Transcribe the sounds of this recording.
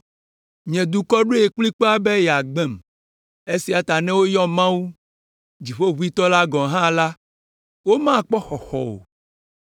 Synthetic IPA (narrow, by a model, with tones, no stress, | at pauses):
ɲɛ̃˨d̪u˨kɔ˦ɖo˦e˨kli˦k͡pɔ˦a˦be˦jɛ˨a˨ɡ͡bɛ˦˨m | e˦si˨a˨t̪a˨nɛ̃˦wo˦jɔ˦mã˦wu˦ | d͡ʑi˨ɸo˦βu˦i˦t̪ɔ˦la˦ɡɔ̃˨ɦã˦la˦ | wo˦mã˦˨k͡pɔ˦xɔ˨xɔ̰˨o̰˨